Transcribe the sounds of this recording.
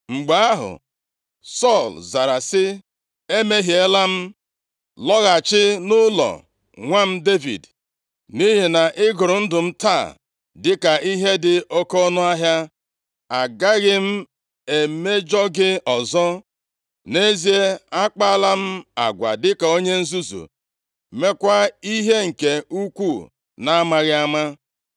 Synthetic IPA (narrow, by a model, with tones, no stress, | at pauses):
ŋ͡m̩˨ɡ͡ba˨˦a˦ɦʊ̰˨ | sɔ˦˨lza˨ɾa˨sɪ˦ | e˦me˦ɦi˨e˦la˦m̩˦ | lɔ˦ɣa˨t͡ʃɪ˦nʊ˦lɔ̰˨ | ŋʷa˦m̩˦de˦vḭ˨d | ni˦ɦi˨na˨ʔɪ˦ɡʊ˨ɾʊ˨n̩˦dʊ˨m̩˦ta˦˨ | dɪ˦ka˨ʔi˦ɦe˦dɪ˨o˦ko˦nʊ˦a˦ɦja˦ | a˨ɡa˦ɣɪ˦m̩˦ | e˨me˦d͡ʒɔ˦ɡɪ˦ɔ˨zɔ˦ | ne˦zi˦e˦a˦k͡pa˦la˦m̩˦a̰˨ɡʷa̰˨dɪ˦ka˨o˦ɲe˦n̩˦zu˦zṵ˨ | me˦kʷa˦i˦ɦe˦ŋ̩˨ke˨u˦kʷu˦˨ | na˦a˦ma˨ɣɪ˦a˦ma˦